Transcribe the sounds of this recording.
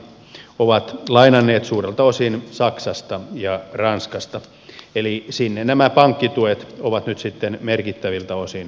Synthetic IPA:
oʋɑt̪lɑinɑnːeːt̪suːrelt̪ɑosinsɑksɑst̪ɑjɑrɑnskɑst̪ɑ | elisinːennæmæpɑŋkːit̪uet̪oʋɑt̪nyt̪sit̪ːenmerkit̪ːæʋilt̪ɑosin

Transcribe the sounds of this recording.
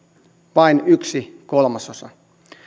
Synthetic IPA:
ʋɑinyksikolmɑsosɑ̰

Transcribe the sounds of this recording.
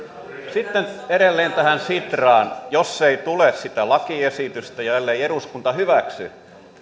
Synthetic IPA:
sit̪ːeneɾelːeːnt̪æhænsit̪rɑːnjosːeit̪ulessit̪ælɑkiesit̪yst̪æjɑelːeieɾuskunt̪ɑhyʋæksḭ

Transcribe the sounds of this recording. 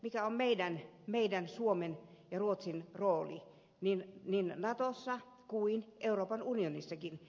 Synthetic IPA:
mikæommeidænmeidænsuomenjɑruot̪sinroːlḭ | ninninnɑt̪osːɑ | kuinʔeuroːpɑnunionisːɑkin

